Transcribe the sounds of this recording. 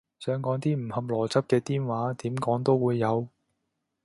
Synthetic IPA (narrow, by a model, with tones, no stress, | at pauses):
sœː˨˥ŋkɔː˨˥ŋt̪iː˥m̩˨˩hɐ˧p̚lɔː˨˩t͡sɐ˥p̚kɛː˧t̪iː˥nwaː˨˥t̪iː˨˥mkɔː˨˥ŋt̪o˥wwuː˨˧jːɐ˨˧w